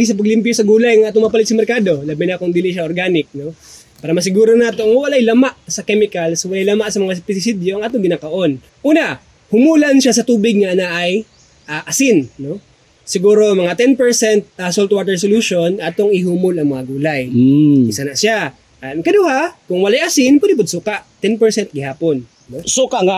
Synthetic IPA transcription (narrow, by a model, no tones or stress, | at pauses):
ɡɪsɐpɐɡ̚lɪmpjosɐɡuːlɐjɐŋaːt̪oŋmɐpɐlɪt̪sɐmɛɾkaːd̪o̞labɐjnɐkʊŋd̪ɪlɪʃaʔoɾɡaːnɪk̚no̞ | paːɾɐmɐs̬ɪɡuːɾonaːt̪oʔŋwɐlajlɐmaʔsɐkɛmɪkɐlswɐlajlɐmaʔsɐmɐŋaspɪsɪsid̪joʔɐŋaːt̪oŋɡɪnaːkɐʔo̞n | ʔuːna | hʊmuːlɐnʃasɐt̪uːbɪɡ̚nɐʔɐnaʔɐj | ʔaʔɐsɪnːo̞ | sɪɡuːɾomɐŋat̪ɛnpɛɹsɛnt̪̚ɐsolt̪̚waːt̪ɛɹsoluʃo̞nɐt̪oŋɪhuːmolɐŋmɐŋaɡuːlajɪsanaʔsa | ʔkɐd̪ohakʊŋwɐlajʔɐsɪnpwɛd̪ɪp̬ʊd̪̚sukaʔt̪ɛnpɛɹsɛnt̪̚ɡɪhaːponː | osukaŋa